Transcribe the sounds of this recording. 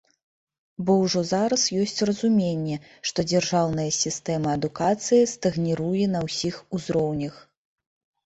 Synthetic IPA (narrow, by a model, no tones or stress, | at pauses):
bɔwʐɔzaɾɐsjɔsʲt͡sʲrɐzumʲenʲːɛ | ʂt̪ɔd͡zʲɛrʐawn̪ɐjɐsʲist̪ɛmɐːd̪ukat̪sɨjist̪ɐɣnʲiɾujɛn̪ɐwsʲixuzɾɔwnʲɐx